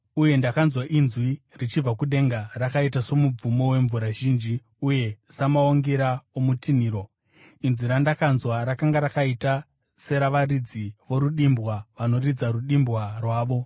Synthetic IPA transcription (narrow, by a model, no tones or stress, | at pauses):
uje̞ndakanzwaʔinzwi | rit͡ʃib͡vakuɗe̞ŋɡarakaitaso̞mub͡vumo̞we̞ɱvuɾaʒiːnd͡ʒi | uje̞samaoŋɡeɾaomutiniːɾo̞ | inzwiɾandakanzwaɾakaŋɡaɾakaita | se̞ɾaʋarid͡ziʋo̞ɾuɗimbwaʋano̞rid͡zaɾuɗimbwarwaːʋo̞